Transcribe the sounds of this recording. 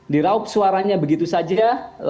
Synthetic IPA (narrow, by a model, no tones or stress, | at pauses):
diɾaʊp̚suaɾaɲabəɡit̪usad͡ʒal